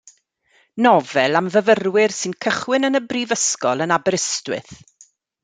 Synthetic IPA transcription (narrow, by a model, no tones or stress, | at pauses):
nɔvɛlˠamvəvərwɪrsɨnkʰəχwɪnənəbrivəskɔlˠənabɛɾəstwɪ̰θ